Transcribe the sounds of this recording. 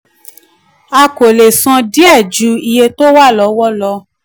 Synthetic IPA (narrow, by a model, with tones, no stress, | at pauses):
a˧ko˨le˨sã˧di˦ɛ˦˨d͡ʒu˨˦i˧je˧to˦wa˦˨lɔ˨˦wɔ˦lɔ˧